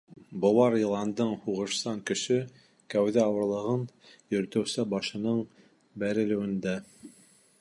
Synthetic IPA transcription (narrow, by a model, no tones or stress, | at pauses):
bŏwɑɾjɤ̆lˠɑnd̪ɤɴhuʁɤ̆ʃsɑŋkɵ̆ʃɘ | kæwðɘɑwɤ̆ɾlˠɤ̆ʁɤn | jɵ̆ɾ̆t̪ɘ̆wsɘbɑʃɤ̆nɤɴ | bæɾɘ̆lɘ̆wɘ̆nd̪æ